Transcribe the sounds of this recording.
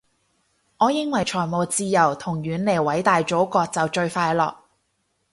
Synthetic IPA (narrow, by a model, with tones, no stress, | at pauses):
ŋɔː˨˧jɪ˧ŋwɐ˨˩jt͡ʃʰɔː˨˩jmoː˨˧wt͡siː˧jɐ˨˩wt̪ʰʊ˨˩ŋɥyː˨˧nle˨˩jwɐ˨˥jt̪aː˨jt͡ʃo˨˥wkɔː˧k̚t͡sɐ˨wt͡ʃɵ˧ɥfaː˧jlɔ̰ː˨k̚